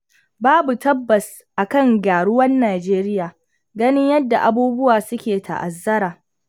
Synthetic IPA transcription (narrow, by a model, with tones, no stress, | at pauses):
baː˦bu˨tɐ˦bːɐ˨s | ʔa˨kɐ˦˨ŋɡʲaː˨ɽʊ˦wɐ˦nːaː˨d͡ʒeː˦ɾɪ˦jaː˨ | ɡɐ˦nɪ˦ɲjɐ˦dːa˨ʔa˨buː˦bʊ˦waː˨sʊ˦kʲeː˨tʰa̰˨ʔa̰˨zːɐ˦ɾaː˨